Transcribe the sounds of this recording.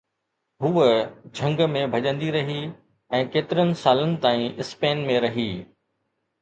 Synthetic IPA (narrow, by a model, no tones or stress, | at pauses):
ɦud͡ʑʱɐ̃ŋɡmẽbʱɐʄə̃nd̪iɾɐɦi | ɛ̃ːkeːt̪ɪɾənɪ̆saːlənɪ̆t̪aːĩʔɪspeːnmẽɾɐɦiː